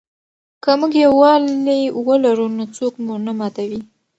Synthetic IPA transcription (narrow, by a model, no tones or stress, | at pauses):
kəmuɡjawɑlewəlaɾunot͡sokmunamɑt̪awi